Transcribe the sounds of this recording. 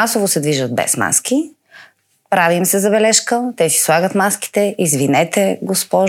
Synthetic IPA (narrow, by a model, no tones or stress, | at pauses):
asovosɛd̪viʒət̪̚bɛ̰sma̰sk̟i | pɾavimsɛzɐbɛlɛʃkət̪ɛsi̥slˠaɡət̪maski̥t̪ɛʔizvinɛt̪ɛɡospɔʒ